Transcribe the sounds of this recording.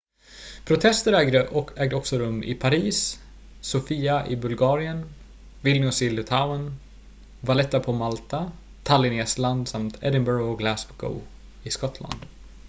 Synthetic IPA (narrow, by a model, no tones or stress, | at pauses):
pʰɾʊt̪ʰɛst̪əɾɛɡəɛːɡ̚d̪əɔksɔɾɵmːʔɪ̰pʰaɾiːs | sʊfiːaʔɪbɵlɡɑːɾɪən | vɪlnʊsɪlːʊt̪ʰaʊn | valɛt̪ːapʰɔmalt̪a | t̪ʰalɪneːsland̪samt̪ʰɛ̰d̪ənbœɾɡɔɡlæsbɡo̰ʊ | ɪskɔt̪ʰla̰nd̪̥